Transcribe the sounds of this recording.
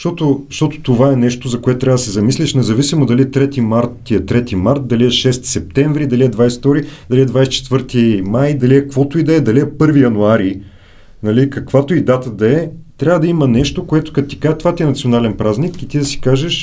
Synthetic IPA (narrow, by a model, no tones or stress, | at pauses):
ʃt̪ɔt̪oʃt̪ɔt̪o̥t̪ovaɛnɛʃt̪ozɐkoɛt̪ot̪ɾʲavəd̪əsɛzɐmislʲiʃnɛzɐvisimod̪ɐliɛt̪ɾɛt̪imaɾt̪t̪ːiɛt̪ɾɛt̪imaɾt̪̚d̪ɐliɛʃɛst̪i̥sɛp̚t̪ɛɱvɾid̪ɐliɛd̪vajsɛ̥t̪ɔɾid̪ɐliɛd̪vajst͡ʃɛ̥t̪vɤɾt̪imajd̪ɐliɛkvɔt̪oid̪ɐɛd̪ɐliɛpɤɾvijɐnuaɾi | nɐlikɐkvat̪oid̪at̪əd̪ɐɛt̪ɾʲavəd̪ɐimɐnɛʃt̪okoɛt̪ʊ̥kɐt̪t̪i̥kaʒt̪ovat̪ʲiɛnɐt̪sionalɛnpɾaznikit̪id̪ɐsi̥kaʒɛʃ